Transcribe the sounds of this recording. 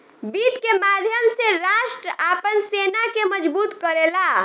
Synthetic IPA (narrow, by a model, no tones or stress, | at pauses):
bit̪kemad̪ʱjəmseɾaʃʈɾəʔapənsenakeməd͡ʒbuːt̪kəɾela